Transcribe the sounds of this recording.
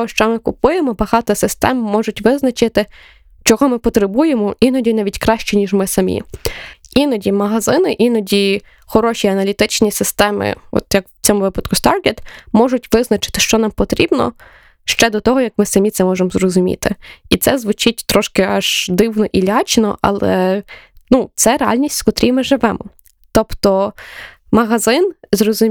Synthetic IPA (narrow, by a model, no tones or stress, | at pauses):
ɔʃt͡ʃɔmɪkʊpujemɔbɐɦɑt̪ɐsɪst̪ɛmmɔʒʊtʲʋɪznɐt͡ʃɪt̪ɪ | t͡ʃɔɦɔmɪpɔt̪ɾebujemɔʔinɔdʲinɑʋʲitʲkɾɑʃt͡ʃɛnʲiʒmɪsɐmʲḭ | inɔdʲimɐɦɐzɪnɪʔinɔdʲi | xɔɾɔʃʲiɐnɐlʲit̪ɪt͡ʃnʲisɪst̪ɛmɪ̰ɔ̰t̪jɐkt͡sʲɔmʊʋɪpɐd̪kʊst̪ɑrɡʲet̪mɔʒʊtʲʋɪznɐt͡ʃɪ̥t̪ɪ̥ʃt͡ʃɔnɑmpɔt̪ɾʲibnɔ̰ | ʃt͡ʃɛd̪ɔt̪ɔɦɔjɐkmɪsɐmʲit̪sɛmɔʒemzrɔzʊmʲḭt̪ɪit̪sɛzʋʊt͡ʃɪtʲt̪ɾɔʃkɪɑʒ̥d̪ɪwnɔʔilʲɑt͡ʃnɔ̰ʔɐ̰lˠɛ | nut̪sɛɾeɑ̰lʲnʲisʲtʲskɔt̪ɾʲimɪʒɪʋɛmɔ | t̪ɔpt̪ɔ | mɐɦɐzɪnzrɔzʊ